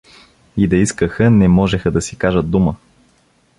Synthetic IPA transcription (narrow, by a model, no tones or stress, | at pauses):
id̪ɐiskəxənɛmɔʒɛxəd̪ɐsikaʒət̪̚d̪umə